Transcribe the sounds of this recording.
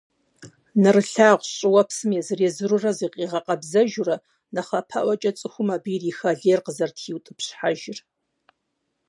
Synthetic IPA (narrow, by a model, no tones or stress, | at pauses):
nɨrɨɬaːʁʷɕʼɪwɐpsɨmjɛzɨreːzɨɾʊrɐziːqʼiːʁɐqʼɐbzɐʒʊrɐ | nɐχɐpʰa̰ʔʷɐt͡ʃʼɐt͡sʼɨxʷʊmabiːriːxɐɮeːrqəzɐrtʰiːwtʼɨpɕħaʒɪr